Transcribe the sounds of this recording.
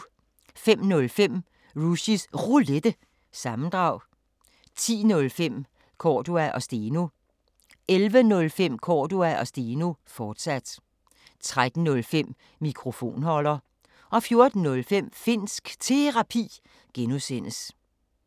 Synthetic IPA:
fem̰nɔ̽lfem̰ | ʁuɕisʁuled̥ə | sɑ̈mn̩d̥ʁɑ̈ʊ̰ | t͡sʰḭːnɔ̽lfem̰ | kʰɒːd̥uæʔɒ̽sd̥eno | elʋənɔ̽lfem̰kʰɒːd̥uæʔɒ̽sd̥eːnofɒːd̥sæd̥ | t͡sʰʁad̥n̩nɔ̽lfem̰ː | ikʰʁo̝fo̝̰ːnhɒ̽l̰ɐ | ʔɒ̽fjo̝ɐd̥n̩ːɔ̽lfem̰fe̝n̰sɡ̥t͡sʰe̝ʁɑ̈pʰḭː | ɡ̥enusen̰əs

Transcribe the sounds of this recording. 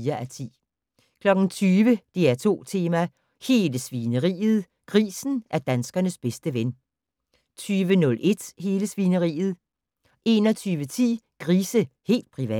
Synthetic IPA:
ɐʔæt͡sʰḭː | kʰlɒ̽ɡ̥n̩t͡sʰyːʋəd̥eæɐt͡sʰo̝̰ːt͡sʰe̝ːmæ | he̝ːləsʋinəʁḭːð̞̩ˠ | ɡ̥ʁḭːsn̩ʔæɐd̥ænsɡ̥ɐnəsb̥esd̥əʋen | t͡sʰyːʋənɔ̽lʔe̝d̥he̝ːləsʋinəʁḭːð̞̩ˠ | ʔe̝ːnɒ̽t͡sʰyːʋət͡sʰḭːɡ̥ʁiːsəhe̝̰ːld̥̚pʰʁiʋɛ̰

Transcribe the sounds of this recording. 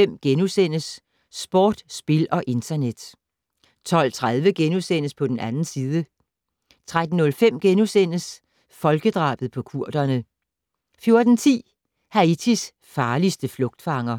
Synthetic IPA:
em̰ɡ̥enusen̰əsː | b̥ɒ̰ːd̥sb̥e̝lɒ̽ʔe̝nt͡sʰɐned̥ | t͡sʰɒ̽l̰t͡sʰʁað̞ˠʋəɡ̥enusen̰əspʰɒ̽d̥enʔænn̩siːðˠə | t͡sʰʁad̥n̩ːɔ̽lfem̰ɡ̥enusen̰əs | fɒ̽lɡ̥əd̥ʁɑ̰̈ːb̥ð̩ˠpʰɒ̽kʰuɐ̰d̥ɐnə | fjo̝ɐd̥n̩t͡sʰḭː | hæit͡sʰis | fɑ̈ːlisd̥əflɔ̽ɡ̥̚d̥fɑ̈ŋɐ

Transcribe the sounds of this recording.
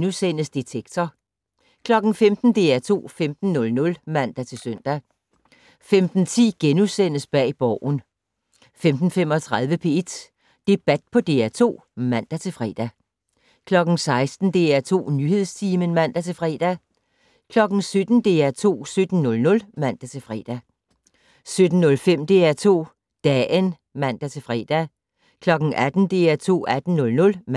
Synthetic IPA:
nusen̰əsd̥it͡sʰeɡ̥̚t͡sʰɒ | kʰlɒ̽ɡ̥n̩femd̥n̩d̥e̝̰ːæt͡sʰo̝̰ːfemd̥n̩nɔ̽lnɔ̽lmæn̰d̥æt͡sʰe̝søn̰d̥æ | femd̥n̩t͡sʰḭːɡ̥enusen̰əsb̥ɛ̰ːb̥ɒʊ̰n̩ | femd̥n̩fem̰ɒt͡sʰʁað̞ˠʋəpʰe̝̰ːe̝d̥ | d̥e̝b̥æd̥̚pʰɒ̽d̥e̝̰ːæt͡sʰo̝̰ː | mæn̰d̥æt͡sʰe̝fʁɛ̰ːd̥æ | kʰlɒ̽ɡ̥n̩sɑ̈ɪsd̥n̩d̥e̝æt͡sʰo̝̰ːnyhe̝ð̰ˠst͡sʰiːmənmæn̰d̥æt͡sʰe̝fʁɛ̰ːd̥æ | kʰlɒ̽ɡ̥n̩sød̥n̩d̥e̝̰ːæt͡sʰo̝̰ːsød̥n̩ːɔ̽lnɔ̽lmæn̰d̥æt͡sʰe̝fʁɛ̰ːd̥æ | sød̥n̩ːɔ̽lfem̰d̥e̝æt͡sʰo̝̰ː | d̥ɛən | mæn̰d̥æt͡sʰe̝fʁɛ̰ːd̥æ | kʰlɒ̽ɡ̥n̩ʔæd̥n̩d̥e̝̰ːæt͡sʰo̝̰ːʔæd̥n̩nɔ̽lnɔ̽lm

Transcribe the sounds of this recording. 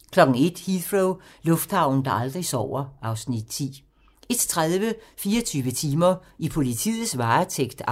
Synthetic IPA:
kʰlɒ̽ɡ̥ŋ̩e̝d̥hifʁoʊlɔ̽fd̥hɑ̈ʊ̰n̩d̥ɑ̈ʔɑ̈ld̥ʁisɒ̰ːɐɑ̈ʊsnid̥t͡sʰḭː | e̝d̥t͡sʰʁaðˠʋəfiːɐt͡sʰyːʋət͡sʰiːmɐ | ipʰo̝lit͡sʰḭːð̩ˠsʋɑ̈ːt͡sʰeɡ̥d̥

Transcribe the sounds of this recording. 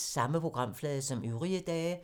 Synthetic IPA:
sɑ̈məpʰʁo̝ɡ̥ʁɑ̈m̰flɛːðˠsɒ̽myʊʁiəd̥ɛːɪ

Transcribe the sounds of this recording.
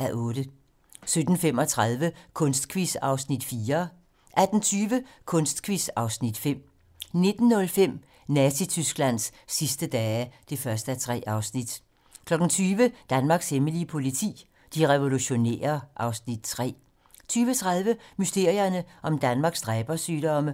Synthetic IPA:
æʔɔːdə | sød̥n̩fem̰ɒ̽t͡sʰʁaðˠʋəkʰɔ̽nsd̥kʰʋisɑ̈ʊsnid̥fiːɐ | ʔæd̥n̩t͡sʰyːʋə | kʰɔ̽nsd̥kʰʋisɑ̈ʊsnid̥fem̰ | ne̝d̥n̩ːɔ̽lfem̰ | næsit͡sʰysɡ̥læn̰sːisd̥əd̥ɛːæd̥e̝fɶɐsd̥əæt͡sʰʁɛ̰ːʔɑ̈ʊsnid̥ | kʰlɒ̽ɡ̥n̩t͡sʰyːʋəd̥ænmɑ̈ːɡ̥sheməliəpʰo̝lit͡sʰḭː | d̥iʁɛʋo̝luɕo̝ne̝̰ːɐʔɑ̈ʊsnid̥̚t͡sʰʁɛ̰ː | t͡sʰyːʋət͡sʰʁaðˠʋəmysd̥e̝ɐ̰iɐnəʔɒ̽md̥ænmɑ̈ːɡ̥sd̥ʁɛːb̥ɐsyːd̥ɒ̽mə

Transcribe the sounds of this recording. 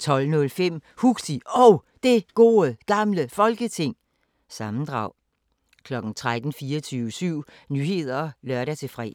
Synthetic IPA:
t͡sʰɒ̽l̰nɔ̽lfem̰huɡ̥siɒʊ | d̥e̝ɡ̥o̝ːəɡ̥ɑ̈mləfɒ̽lɡ̥ət͡sʰe̝ŋ̰ | sɑ̈mn̩d̥ʁɑ̈ʊ̰ | kʰlɒ̽ɡ̥n̩t͡sʰʁad̥n̩fiːɐt͡sʰyːʊəsyʊ̰nyːɦe̝ð̞̰ˠɐɒlɶɐɾæt͡sʰe̝fʁɛ̰ː

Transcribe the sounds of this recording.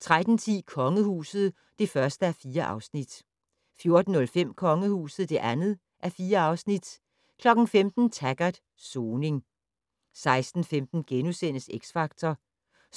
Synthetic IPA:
t͡sʰʁad̥n̩t͡sʰḭːkʰɒ̽ŋəhṵːsð̞̩ˠ | d̥e̝fɶɐsd̥əæɐfiːɐʔɑ̈ʊsnid̥ | fjo̝ɐd̥n̩ːɔ̽lfem̰kʰɒ̽ŋəhṵːsð̞̩ˠd̥e̝ʔænð̩ˠ | ʔæɐfiːɐɑ̈ʊsnid̥ | kʰlɒ̽ɡ̥n̩femd̥n̩t͡sʰæɡ̥æd̥ | soːne̝ŋ | sɑ̈ɪsd̥n̩femd̥n̩ɡ̥enusen̰əseɡ̥sfɑ̈ɡ̥̚t͡sʰɐ

